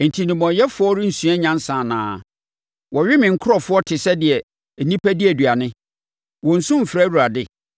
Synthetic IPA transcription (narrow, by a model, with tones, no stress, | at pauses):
n̩˨tʰi˨nɪ̃˨mɔ̃˨˦jɛ˦fʊ˨˦ɔ˦ɾɪ˦n̩˨sũ˨a˦ɲã˦n˦sã˨nã̰ː˨˦ | wɔ˨ɥɪ˦mɪ̃˨ŋ̩˦kʰʊ˦ɾɔ˨fʊ˦ɔ˦tʰɪ˨sɛ˦dɪ˨ɛ˨ | nĩ˦pʰæ˦dɪ˦æ˨dɥa˨nɪ̃˦ | wɔ̃˨n̩˨sʊ̃˦m̩˨fɪ˨ɾa˦wu˨ɾa˨dɪ˦